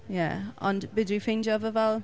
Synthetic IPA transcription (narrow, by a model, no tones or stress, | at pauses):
jæ̰ə̰̃nbɪdɹifĩnd͡ʒəvəvɛlˠ